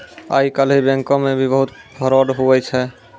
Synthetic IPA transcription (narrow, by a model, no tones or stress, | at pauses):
a̰ikəlɦibɛ̃ŋkɔ̃mebʱibəɦut̪pʰəɾɔɖɦuɛt͡ʃʰɛ